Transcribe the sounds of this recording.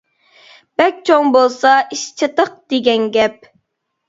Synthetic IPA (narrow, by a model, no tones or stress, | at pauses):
b̥ɛk̚ʲt͡ʃʰoŋbolˠsɑʔiʃt͡ʃʰɨt̪əq̚d̪̥eɡʲɛnɡʲɛp̚